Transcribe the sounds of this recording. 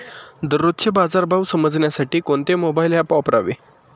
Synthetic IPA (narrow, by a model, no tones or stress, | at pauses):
d̪əɾːot̪t͡ɕʰebad͡zaɾbʱaʋsəməd͡zɳjasaʈiːkoɳt̪emobailjapɔpɾa̰ʋḛ